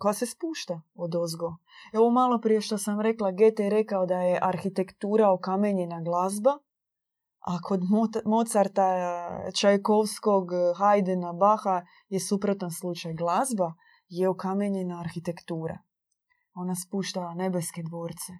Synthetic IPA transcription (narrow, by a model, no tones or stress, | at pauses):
kojase̞spuːʃt̪aod̪ozɡo | o̞ʋomalˠo̞pɾije̞ʃt̪o̞samɾe̞klˠaɡet̪eɾe̞kaod̪aje̞ʔaɾxit̪e̞kt̪uːɾaokameɲe̞naɡlazba | akʰo̞d̪momo̞t̪saɾt̪at͡ʃajkoʋsko̞ɡxajd̪enabaxa | je̞supɾo̞t̪anslˠut͡ʃajɡlazba | jeokameɲe̞naːɾxit̪e̞kt̪uːɾa̰ | o̞naspuːʃt̪aane̞beske̞d̪ʋo̞ːɾt̪se